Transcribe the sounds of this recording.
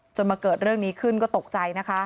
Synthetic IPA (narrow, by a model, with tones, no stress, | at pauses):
t͡ɕo˧nmaː˧kɤː˨˩t̪̚ɾɯ˥˩əŋniː˦˥kʰɯ˥˩nkɔː˥˩t̪o˨˩k̚t͡ɕa˧jna˦˥kʰa˦˥